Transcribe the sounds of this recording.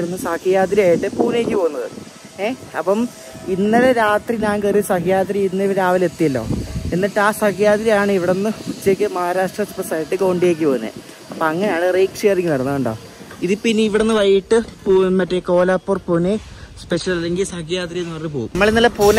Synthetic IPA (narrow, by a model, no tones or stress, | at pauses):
ɾunːɨsɐkijaːt̪̬ɾiaːjiʈːɨpuːnjeːkʲːɨpo̞ːunːɐðɨ̰ | eːɐpːɐm | inːɐɾeɾaːt̪riɲaːnkɐrsɐkɐjaːt̪ɾiinːɐʋɐɾaːʋɐle̞t̪ːijɐlːo̞̰ːe̞nːɐʈːɨaːsɐkijaːt̪ɾijaːɳɨiʋiɽenːɨkut͡ɕːjekʲːɨmɐɦaːɾaːʂʈrɐspɐsaːjiʈːɨkoːɳɖijek̬ʲːɨpoːunːɨ̰ | ɐpːɐɐŋːɐnejaːɳɨrejkʂeːriŋːɡɨnɐɽɐnːɐðuɳɖoː | iðɨpinːɨiʋiɽenːɨʋɐjːiʈːɨpoːmɐtːeko̞ːlaːpːoːrponespe̞ʂɐlɐlːeŋɡilsɐkijaːt̪ɾijenɐɐrip̬oːummːɐɭenilːɐpuːn